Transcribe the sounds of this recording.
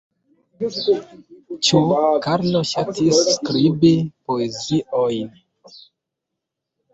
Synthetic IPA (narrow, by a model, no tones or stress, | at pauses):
t͡ʃukaɾnoʃatʰisːkɾibipoeziʔojn